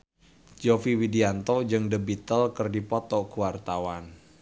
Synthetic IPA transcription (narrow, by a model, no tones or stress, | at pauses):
d͡ʒofiwidiant̪ɔd͡ʒɨŋdəbit̪əlkərdipɔt̪ɔkuwart̪awan